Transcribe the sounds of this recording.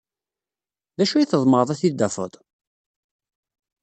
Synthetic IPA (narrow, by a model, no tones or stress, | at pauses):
ðæʃuiθəðˤməɾəðˤæθid̪ːæfə̰t̪ˤ